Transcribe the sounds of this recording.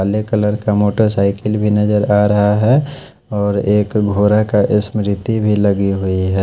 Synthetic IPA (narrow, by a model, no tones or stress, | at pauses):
aːlekələɾkamoːʈəɾsaːɪkɪlbʱinɐd͡ʒəɾaːɾɐɦaɦɛ | ɔːɾeːkɡʱoːɾakaʔɪsmɾɪt̪ibʱilɐɡiɦʊiɦɛː